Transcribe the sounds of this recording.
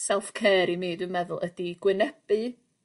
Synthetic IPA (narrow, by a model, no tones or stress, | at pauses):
sɛlˠfkʰeːɾimiːdwɨmɛðʊlˠədiɡ̥wɪnɛb̥ɨ